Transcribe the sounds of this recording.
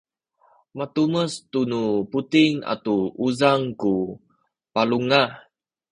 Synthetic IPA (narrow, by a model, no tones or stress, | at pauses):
mat̪uməst̪unuput̪iŋa̰tuuzaŋku | paluŋa